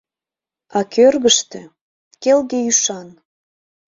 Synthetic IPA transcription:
ɑkʰørɣəʃt̪ĕ | kelɣeyʃɑn

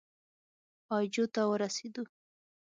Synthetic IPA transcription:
ɑjd͡ʒot̪awəɾased̪u

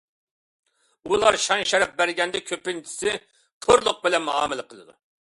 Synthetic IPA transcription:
ulˠɑɾʃɑnʃɛɾɛp̚bæɾɡʲɛnd̪ɛkʲʰøpɪnt͡ʃʰɪ̥sɪ | t̪ʰoɾlˠʊq̚bɪlɛnmuɑ̰ːmɪlˠɨqʰəlˠɨd̪ṵ

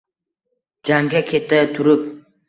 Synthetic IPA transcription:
d͡ʒaŋɡʲakʲʰet̪ːət̪ʰuɾup̚

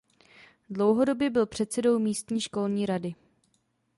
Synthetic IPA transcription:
dlo̞wɦo̞do̞bjɛbɪlpr̝̥ɛt̪sɛdo̞wmiːst̪ɲiːʃko̞lɲiːɾadɪ

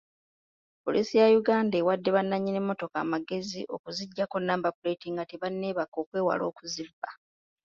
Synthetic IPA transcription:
po̞̰liːsijajuɡaːndaewadːe̞βanːaɲːine̞mːo̞to̞ka̰ːmaɡe̞ziʔo̞̰kuziɟːakonːaːmbapuɾe̞tiŋɡateβanːe̞ːβako̞ːkwe̞ːwa̰lo̞ːkuzibːa

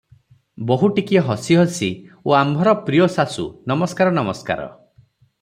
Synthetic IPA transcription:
boɦuʈikijɔɦɔsiɦɔsioambʱɔɾɔpɾiɔsasṵnɔmɔskaɾɔnɔmɔska̰ɾɔ̰

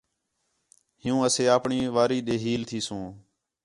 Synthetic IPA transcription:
ɦɪjũːəseːaːpɳiːʋaːɾiːɗeːɦiːlt̪ʰiːsõː

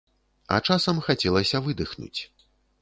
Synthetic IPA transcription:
ɐ̰t͡ʂasɐmxat͡sʲɛlˠɐsʲɐvɨd̪ɨxnṵt͡sʲ

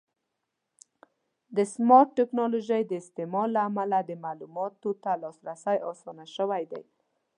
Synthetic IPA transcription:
d̪əsmɑɾʈːɪknɑloʒəjd̪əɪst̪emɑlːaːmalad̪əmalumɑt̪ot̪alɑsɾasajɑsɑnaʃəwajd̪a̰j

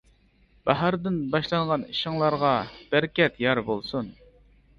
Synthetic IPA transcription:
bɑɦɑɾd̪ɪnbɑʃlˠɑŋʁɑniʃɪŋlˠɑɾʁɑb̥æɾkʲɛt̪jɑɾbolˠsun

